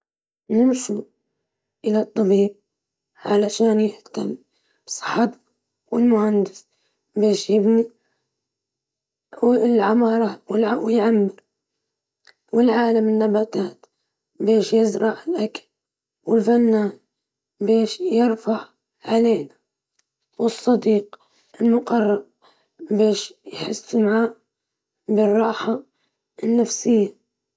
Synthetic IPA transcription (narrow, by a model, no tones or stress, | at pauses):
nɪmʃu | ʔɪlat̪ˤːɑbiːb̚ | ʕalaʃaːnjɪht̪amː | b̥sˤɨ̥ħɑt̪ | wɪlmʊhand̪ɪs | beːʃjɪbni | wlʕamɑːɾˤɑwɪlawɪjʕamːɪɾ | wɪlʕaːlamɪnːabat̪aːt̪ | beːʃjɪzɾˤɑʕɪlʔakḁl | wɪlfanːaːn | beːʃjɪɾfaʕ | ʕaleːna | wɨsˤːɑd̪iːq | ɪlmʊqɑrˤːɑɾ | beːʃjħɪsːmaʕaːʔ | bɪrˤːɑːħa | nːafsɪjːa